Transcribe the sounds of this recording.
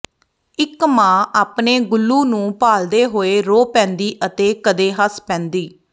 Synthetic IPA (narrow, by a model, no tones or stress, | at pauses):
ɪkmãːʔaːpneːɡʊlːuːnũːpaːld̪eːɦoːeːɾoːpɛ̃ːnd̪iːʔət̪eːkəd̪eːɦəspɛ̃ːnd̪iː